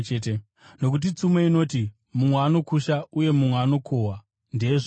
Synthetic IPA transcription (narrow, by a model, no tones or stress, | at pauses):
eːte | no̞k̬ut̬it͡sumeino̞ːti | mumweaːno̞kuʃauje̞mumweaːno̞kʰoɦwa | ndieʐ